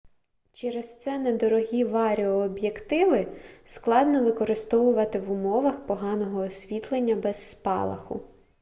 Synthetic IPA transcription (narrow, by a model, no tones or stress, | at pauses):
t͡ʃɛɾɛst̪sɛnɛd̪ɔɾɔɦʲiʋɑɾʲiɔːbjekt̪ɪʋɪsklˠɑd̪nɔʋɪkɔɾɪst̪ɔʋʊʋɐt̪ɪʋʊmɔʋɐxpɔɦɑnɔɦɔːsʲʋʲit̪lˠenʲːɐbɛzːpɑ̰lˠɐ̰xʊ̰